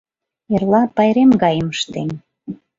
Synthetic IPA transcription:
erlɑpɑjɾemɡɑjəməʃt̪ḛn

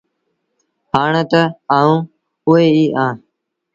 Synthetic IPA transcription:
ɦaːɳət̪əaːũː | ʊeːiːʔãː

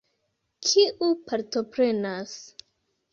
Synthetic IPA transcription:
kʰiʔupaɾto̞pɾe̞nas

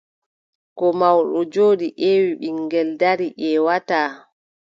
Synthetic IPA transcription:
kɔmawɗɔd͡ʒoːɗiʔewiɓiŋɡɛldaɾiʔɛwataː

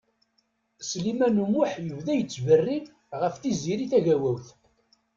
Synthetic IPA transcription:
slimænumʊħjəvðæjət͡sːvərːin | ʁəfθiziɾiθæʝæwæwθ

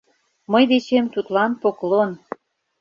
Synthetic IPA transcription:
məjd̪et͡ɕemt̪ut̪lɑnpoklon

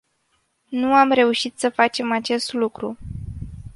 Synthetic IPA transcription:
nuamre̞uʃit̪səfat͡ʃe̞mat͡ʃe̞st̪lukɾṵ

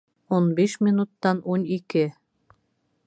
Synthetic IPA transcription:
onbeʃmʲinut̪ːɑnonʲikɘ

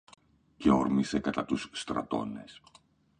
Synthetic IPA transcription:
ce̞o̞ɾmise̞kɐt̪ɐt̪usːt̪ɾɐ̰t̪o̞̰ne̞s

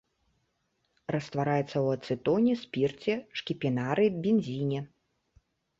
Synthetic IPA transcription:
rɐst̪vaɾajɛt̪sːɐwɐt̪sɨt̪ɔnʲɛsʲpʲirt͡sʲɛʂkʲipʲinaɾɨbʲinʲzʲinʲɛ

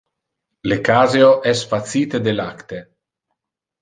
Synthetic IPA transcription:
lekaːzeoʔɛsfat̪siːt̪ed̪elakt̪e

